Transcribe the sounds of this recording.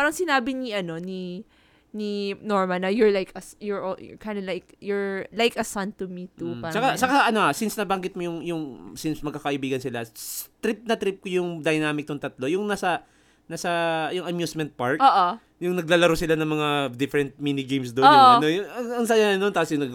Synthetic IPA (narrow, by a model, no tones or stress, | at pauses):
paɾɐŋsɪnaːbɪniʔɐno̞ni | ninoɹmɐlnɐjʊɹlajkɐsjʊɹjkajnd̪ɐlajkjɔɹlajkɐsɐ̃nt̪umit̪uasɐkasɐkaʔɐnohasɪnsnɐbɐŋɡɪt̪̚mojʊŋjʊŋsinsmɐɡ̚kakɐʔɪbiːɡɐnsɪlat̪ɾɪp̚nɐt̪ɾɪp̚kojʊŋd̪ɐjnaːmɪk̚nʊŋt̪ɐt̪lo̞jʊŋnasɐ | naːsɐjʊŋɐmjusmɛ̃nt̪̚paɹkoːʔo | jʊŋnɐɡ̚lalɐɾosɪlanɐŋmɐŋad̪ɪfɛɾɛnt̪̚minɪɡejmsd̪ooonojʊŋɐŋɐŋsajaɐnont̪aːsjʊnɐɡ